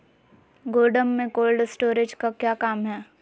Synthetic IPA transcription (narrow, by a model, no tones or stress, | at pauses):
ɡoːɖəmːẽkoːlɖsʈoːɾed͡ʒkakjaːkaːmɦɛː